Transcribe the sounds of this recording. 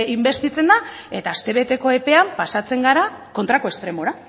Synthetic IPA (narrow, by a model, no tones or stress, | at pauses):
imbe̞st̪it͡se̞nd̪ae̞t̪aːst̪e̞β̞e̞t̪e̞ko̞e̞pe̞ampasat͡se̞ŋɡaɾako̞nt̪ɾako̞e̞st̪ɾe̞mo̞ɾa